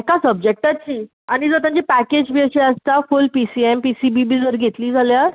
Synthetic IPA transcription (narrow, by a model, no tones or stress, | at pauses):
ekasəb̚d͡ʑek̚ʈat͡ɕiː | aɽ̃id͡zət̪ãɲd͡ʑipæked͡ʑbiəɕeəst̪afulpisiempisibibid͡zʋəɾɡʱet̪liːd͡zʱaljaɾ